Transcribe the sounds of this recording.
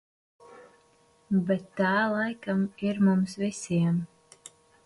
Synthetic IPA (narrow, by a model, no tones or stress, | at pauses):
bɛt̪ːaːlˠajkamiɾmumsvisiɛm